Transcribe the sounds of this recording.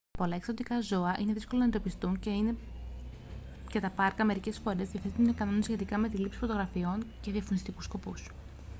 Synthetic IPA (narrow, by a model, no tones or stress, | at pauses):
po̞lɐeksot̪ikɐzo̞ɐʔine̞ðisko̞lonɐend̪o̞pist̪uɲce̞ine̞ | cet̪ɐpɐɾkɐme̞ɾice̞sfo̞ɾe̞zðiɐfθit̪unekɐno̞nesçe̞t̪ikɐme̞t̪ilipsi̥fo̞t̪oɣɾɐfio̞nce̞ðiɐfonist̪ikusko̞pus